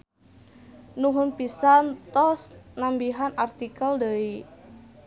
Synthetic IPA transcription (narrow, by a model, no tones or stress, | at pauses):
nuɦʊnpisant̪ɔsnambiɦanart̪ikəldəi